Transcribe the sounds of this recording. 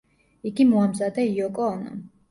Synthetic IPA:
iɡimuamzad̪ɛiɔkʼɔːna̰

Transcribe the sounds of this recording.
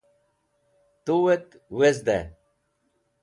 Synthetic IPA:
t̪uwet̪ | wezd̪ḛ

